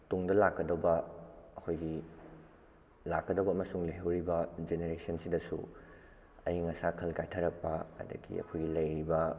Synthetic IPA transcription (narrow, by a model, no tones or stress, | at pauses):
toŋdɐlakːɐdɐbɐɐkʰojɡi | lakːɐdɐbɐɐmɐsuŋlɐɦɐwɾibɐd͡ʒeneɾesɐnsidɐsṵ | ɐjŋɐsakʰɐlkajtʰɐɾɐk̚pɐɐ̰dɐ̰ɡḭɐ̰kʰojɡilɐjɾibɐ